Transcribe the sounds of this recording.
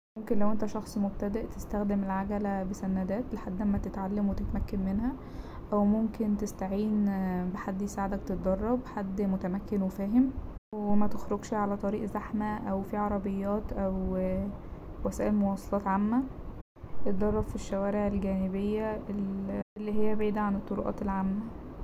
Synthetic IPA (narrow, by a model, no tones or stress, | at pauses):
momkenlæwʔent̪æʃɑxsˤmob̚t̪æd̪æʔt̪est̪æxd̪emelʕaɡælæbesænːæd̪æːt̪leħad̪ːlæmːæt̪et̪ʕalːæmwet̪et̪mækːænmenhæ | ʔæwmomkent̪est̪aʕiːnbeħad̪ːjesaʕd̪ækt̪et̪̚d̪ɑrˤːɑbħad̪ːmot̪æmækːenwefæːɦem | wemæt̪exɾoɡʃʕalæt̪ˤɑɾiːʔzaħmæʔæwfiʕɑɾˤɑbejːɑːt̪ʔæw | wæsæːʔelmowɑsˤɑ̥lɑːt̪ʕamːæ | et̪̚d̪ɑrˤːɑbfiʃːæwæːɾeʕelɡæːnebejːæeʔelːiɦejːæbʕiːd̪æʕanet̪ˤːoɾuʔɑ̰ːt̪elʕamːæ